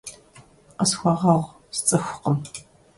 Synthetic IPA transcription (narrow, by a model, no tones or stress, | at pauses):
qəsxʷɐʁɑʁʷ | st͡sʼɨxʷʊqəm